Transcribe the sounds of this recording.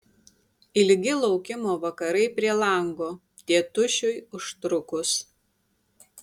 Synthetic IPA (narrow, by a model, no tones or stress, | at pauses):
ɪlʲɡʲɪlˠɒʊkʲɪmoːʋɐkɐɾɐɪpʲɾʲiɛlˠɐˑŋɡoː | t̪ʲiɛt̪ʊʃʲʊjʊʃt̪ɾʊkʊs